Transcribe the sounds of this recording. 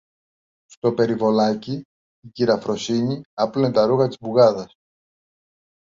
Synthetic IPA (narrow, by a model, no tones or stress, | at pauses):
st̪o̞pe̞ɾivo̞lɐciː | ciɾɐfɾo̞siɲiɐplunet̪ɐɾuɣɐt̪izbuɣɐðɐs